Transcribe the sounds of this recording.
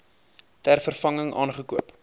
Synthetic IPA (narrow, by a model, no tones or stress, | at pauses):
tærfərfɐŋəŋʔɑ̰ːnχəkuəp